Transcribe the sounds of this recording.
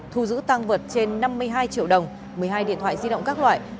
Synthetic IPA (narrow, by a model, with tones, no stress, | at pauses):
t̪ʰu˧˩zɨ̰˧˥t̪a˧ŋvə˨˩t̚t͡ɕe˧nːa˧mːɨ˧əjɦaː˧jt͡ɕḭ˧˨əwɗə˨˩wŋ͡m | mɨ˨˩əjɦaː˧jɗḭ˧˨ət̪ʰw̰aː˧˨zi˧ɗə̰˧˨wŋ͡mkaː˦˥k̚lwa̰ː˧˨j